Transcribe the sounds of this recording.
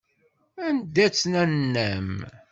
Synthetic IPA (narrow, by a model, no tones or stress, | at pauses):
ænd̪æt͡sːnænːæm